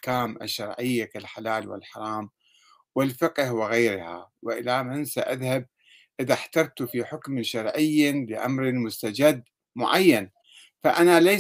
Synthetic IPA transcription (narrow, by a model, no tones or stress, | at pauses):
kaːmʔa̰ʃːɑɾˤʕɪjːakalħalaːlwɪ̰lħɑɾˤɑːm | wɪlfɪqʼhwɪɣajɾha̰wɪʔɪlamɪnsa̰ʔaðhab̚ | ʔɪðaħt̪ɑɾˤt̪ufiħʊkmʃɑɾˤʕɪjːlɪʔa̰mɾɪmʊst̪ad͡ʒad̪ː | mʊʕajːan | faʔanala